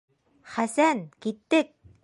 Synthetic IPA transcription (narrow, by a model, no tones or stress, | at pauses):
χæsæːnkit̪ːɘ̆k̚